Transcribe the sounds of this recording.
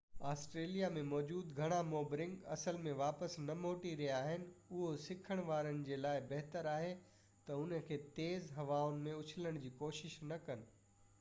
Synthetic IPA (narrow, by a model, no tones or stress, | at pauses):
aːsʈɾeːlijamẽmɔːd͡ʑuːd̪ɡʱɐɽ̃amoːbɾɪ̃ŋɡɐ̰səlmẽʋaːpəsnɐmoːʈiɾiaːɦɪnɪ̆ʊɦosɪkʰəɽ̃ʋaːɾəñɪ̆d͡ʑeːlaːɪbɐɦt̪əɾaːɦe | t̪ɐʊnəkʰeːt̪eːzɦɐʋaːʊnɪ̆mẽʊt͡ɕʰɪləɽ̃d͡ʑiːkoːʃɪʃnɐkɐnɪ̆